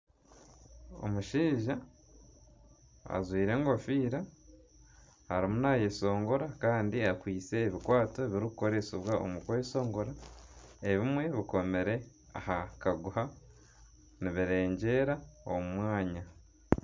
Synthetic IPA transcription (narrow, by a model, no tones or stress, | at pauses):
o̞̰muʃiːʒa | a̰zwiːɾe̞ŋɡo̞fiːɾa | haɾimunajeso̞ːŋɡoɾakaːndiakwiːt͡se̞ːβikwaːto̞eβiɾikuko̞ɾe̞siβwao̰mukwojeso̞ːŋɡoɾa | e̞βimwe̞βiko̞me̞ɾe̞ | a̰hakaɡuha | niβiɾe̞ːɲɟe̞ːɾao̰mumwaːɲa